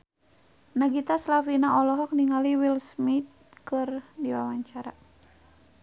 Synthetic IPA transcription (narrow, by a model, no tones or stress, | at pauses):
naɡit̪aslafinaʔɔlɔɦɔk̚niŋaliwilsmit̪̚kɨrdiwawaɲt͡ʃaɾa